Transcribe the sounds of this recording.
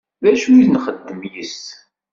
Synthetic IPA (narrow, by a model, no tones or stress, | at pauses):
ðæʃuiðnχəd̪ːəmjəs